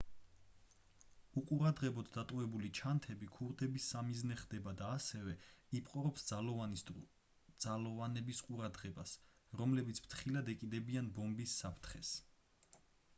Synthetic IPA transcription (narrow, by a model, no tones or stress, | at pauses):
uqʼuɾad̪ʁɛbɔd̪ːat̪ʼɔvɛbulit͡ʃʰant̪ʰɛbikʰuɾd̪ɛbisːamiznɛχd̪ɛbad̪aːsɛvɛipʼqʼɔɾɔpsd̪zalɔanis | d̪z̥alɔvanɛbisqʼuɾad̪ʁɛbasɾɔmlɛbit̪sʰpʰt̪ʰχilad̪ɛkʼid̪ɛbianbɔmbisːapʰɾt̪ʰχɛs